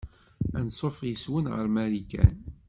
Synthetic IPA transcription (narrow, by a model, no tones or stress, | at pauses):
ænsˤofjəswənʁə̰ɾmæɾikæ̰n